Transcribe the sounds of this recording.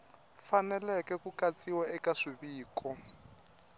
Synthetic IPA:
fanɛlɛkɛkukat͡sʼiwaɛkaʂiβiːkʰɔ

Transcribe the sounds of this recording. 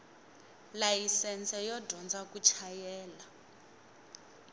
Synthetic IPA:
lajisɛnt͡sɛjɔdʱɔnd͡zakut͡ʃʰajɛːla

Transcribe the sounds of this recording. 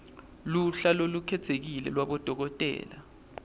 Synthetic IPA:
luɬalolukʰɛtʰek̬ilɛ̰lwaɓɔd̥ʱɔk̬ɔtʼɛ̰ːla̰

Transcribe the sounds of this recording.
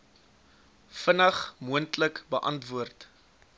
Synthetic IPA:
fənɐχmuəntləkbəʔɐntvuərt

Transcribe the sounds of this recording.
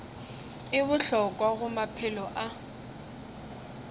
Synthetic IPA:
ɪβʊɬɔkʼwaɣʊmapʰɪlɔʔa

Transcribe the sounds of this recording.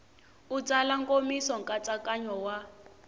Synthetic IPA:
ud͡zalaŋkomisɔŋkʼat͡sʼakʼaɲɔwa

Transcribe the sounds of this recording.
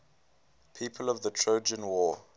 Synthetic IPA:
pʰiːˑpʰəlɔvðətʰɹ̥oʊd͡ʒə̃nwɔː

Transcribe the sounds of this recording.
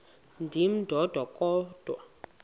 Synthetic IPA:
ndʱim̩d̥ʱɔd̥ʱwakʼɔːd̥ʱwa̰

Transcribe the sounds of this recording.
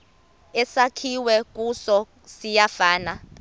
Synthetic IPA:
ɛsakʰiwɛk̬ʼusɔ | sijafaːna

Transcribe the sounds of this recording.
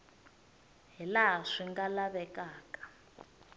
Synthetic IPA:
ɦilaɦaʂiŋɡalaβɛkaːkḁ

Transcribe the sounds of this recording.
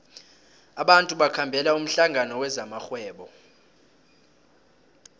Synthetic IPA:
aɓantʼuɓakʰambʱɛlaum̩ɬaŋanɔwɛzamaxwɛːɓɔ

